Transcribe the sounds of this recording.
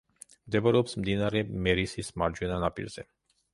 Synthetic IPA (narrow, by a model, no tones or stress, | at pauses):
d̪ebəɾopsmd̪inaɾemeɾisismaɾd͡ʒunanapḭlsḛ